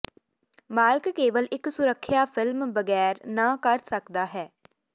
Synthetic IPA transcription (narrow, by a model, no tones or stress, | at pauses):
maːlkkeːʋəlʔɪksʊɾəkʰːjaːpʰɪlmbəɡɛːɾnãːkəɾsəkd̪aːɦɛː